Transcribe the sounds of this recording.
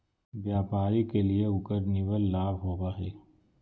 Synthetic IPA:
ʋjaːpaːɾikelieʊkəɾniʋəlːaːbɦoːbaːɦɛː

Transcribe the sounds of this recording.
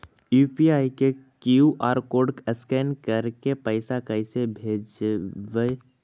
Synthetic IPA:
juːpiaːikekjuʔaːɾkoːɖkəskɛːnkəɾkepəɪsakəɪsebʱeːd͡ʒʋe

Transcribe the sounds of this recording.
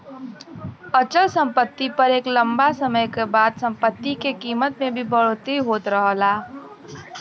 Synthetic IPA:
ət͡ʃəlsə̃mpət̪ːipɐɾeːklə̃mbasəməjkebaːd̪sɐ̃mpət̪ːikekiːmət̪mẽbʱibəɽ̤ot̪iɦoːt̪ɾəɦlaː

